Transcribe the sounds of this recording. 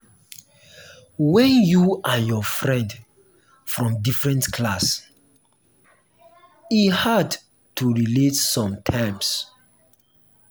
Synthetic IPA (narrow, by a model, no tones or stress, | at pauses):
wɛ̃njuʔajɔfɹɛ̃nd | fɹɔ̃mdifɹɛ̃ntkʰlas | ihad | tuɹiletsɔ̃mtʰɛms